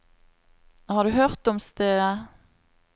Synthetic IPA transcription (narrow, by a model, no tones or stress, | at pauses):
hɑʁd̪ʉɦøʁt̪ɔmst̪eːə